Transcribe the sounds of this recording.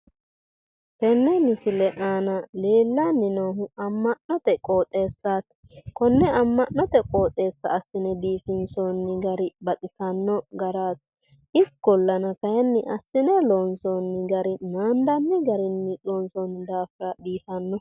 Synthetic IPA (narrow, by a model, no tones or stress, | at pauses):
kɛnːɛmɪsɪlɛʔaːnɐle̞ːlːɐnːɪnoːɦʊɐmːɐnnɔt̪ɛkʼoːt̪ʼe̞ːsːaːt̪ | kɔnːɛɐmːɐnːɔt̪ɛkʼoːt̪ʼe̞ːsːɐ̰ːsːɪnɛbiːfɪnsonːɪɡɐɾɪbɐt̪ʼɪsɐnːɔɡɐɾaːt̪ | ɪkːɔlːɐnɐkɐjɛnːɪʔɐsːɪnɛloːnsonːɪɡɐɾɪnaːnd̪ɐnːɪɡɐɾɪnːɪloːnsonːɪd̪aːfɪɾɐbiːfɐnːɔ